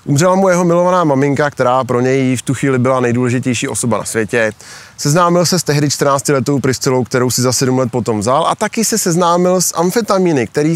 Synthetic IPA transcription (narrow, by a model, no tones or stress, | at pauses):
ʔumrɛlamujɛɦo̞mɪlo̞vanaːmamɪŋkak̚t̪ɛɾaːpɾo̞ɲɛjɪft̪uxviːlɪbɪlanɛjduːlɛʒɪcɛjʃiːʔo̞so̞bana̰svjɛcɛ | sɛznaːmɪlsɛst̪ɛɦdɪt͡ʃt̪rnaːt͡scɪlɛt̪o̞wpɾɪst͡sɛlo̞wkt̪ɛɾowsɪzasɛdumlɛt̪̚po̞t̪o̞mvzalʔa̰t̪akɪsɛsɛznaːmɪlsʔaɱfɪt̪amiːnɪk̚t̪ɛɾiː